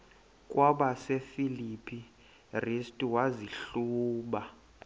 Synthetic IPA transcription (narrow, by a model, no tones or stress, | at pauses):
kʼwaɓasefilipʰi | ristʼiwaziɬuːɓa